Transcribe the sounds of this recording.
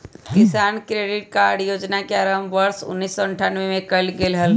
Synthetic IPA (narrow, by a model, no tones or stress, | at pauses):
kɪsaːnkɾeɖɪʈ̚kaːɖjoːd͡ʒnakeaɾəmʋəɾsʊ̰nːiːsːɔəɳʈʰanʋemẽkəlɡelɦəl